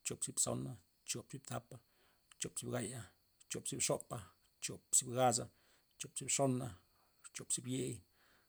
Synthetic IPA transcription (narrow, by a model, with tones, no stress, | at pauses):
t͡ʃo˨pt͡sipso̰˦na | t͡ʃoʔpt͡si˦p̚t̪apa | t͡ʃo˨psi˦˨p̚ɡaja | t͡ʃo˨pt͡si˦pʂo˦ʔpa | t͡ʃo˨pt͡si˦pɡas̬a | t͡ʃo˨pt͡si˦pʂo˦na | t͡ʃo˨pt͡si˦bje˦ʔj